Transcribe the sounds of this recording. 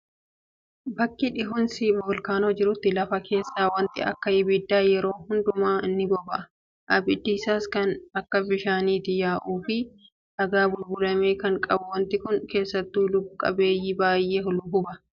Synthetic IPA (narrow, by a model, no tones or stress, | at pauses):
bɐkːɪᶑɪɦʊnsiboːlkaːnoːd͡ʒɪɾʊt̪ːɪlɐfɐkʰe̞ːsːaːwɐnt̪ɪ̰ɐ̰kːɐhɪbiːd̪ːaːjɛɾo̞ːhʊnd̪ʊmaːʔɪnːɪbɔbɐʔɐ | ʔɐbɪd̪ːɪːsaːskɐnɐkːɐbɪʃaːniːt̪ɪjaːʔuːfɪ | ᶑɐɡaːbʊlbʊlɐmeːkɐŋkʼɐbʊwɐnt̪ɪkʊŋke̞ːsːɐt̪ːuːlʊbʊkʼːɐ̰be̞ːjːibaːjʔe̞ːhʊlʊbʊbɐ